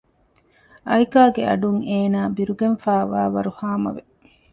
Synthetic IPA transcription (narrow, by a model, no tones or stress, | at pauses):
ɐjkaːɡeɐ̰ɖuŋeːnaːbiɾuɡenfaːʋaːʋɐɾuhaːmɐ̰ʋe